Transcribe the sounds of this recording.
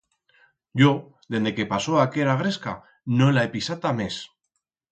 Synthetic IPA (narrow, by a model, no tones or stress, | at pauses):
ʝo | ðe̞nd̪eke̞paso̞ake̞ɾaɣ̞ɾeska | nolaepisat̪ame̞s